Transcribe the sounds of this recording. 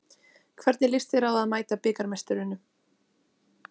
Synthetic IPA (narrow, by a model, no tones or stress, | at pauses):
kʰvɛɾt̪nɪlɪst̪fɪɾawaðmaːjt̪apɪːkaɾmɛst̪ʏɾɪnːʏ